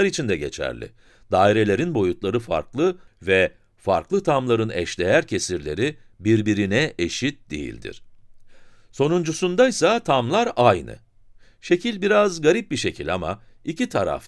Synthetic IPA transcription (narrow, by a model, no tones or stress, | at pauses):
aɾit͡ʃʰind̪ɛɟet͡ʃʰæ̰ɾlʲɪ̰ | d̪aːiɾe̞lʲe̞ɾinbo̞jut̪lˠaɾɯfa̰ɾklˠɯvɛ | fa̰ɾklˠɯt̪ʰamlˠaɾɯnɛ̰ʃlʲe̞jæɾcʰe̞siɾlʲe̞̰ɾibiɾbiɾinɛʔeʃit̪̚d̪ḛjḭlʲd̪ḭɾ̥ | so̞nund͡ʒusund̪ajsat̪ʰamlˠaɾajnɯ̰ | ʃe̞cʰilʲbiɾazɡaɾip̚biʃe̞cʰilʲama̰icit̪ʰaɾa̰f